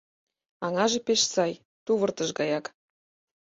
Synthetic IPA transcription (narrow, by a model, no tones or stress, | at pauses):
ɑŋɑʒepeʃsɑj | t̪uβə̆rt̪əʃɡɑjɑk